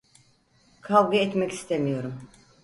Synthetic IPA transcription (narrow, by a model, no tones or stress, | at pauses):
kʰalˠɡɯɛt̪mɛci̥st̪ʰemijo̞ɾum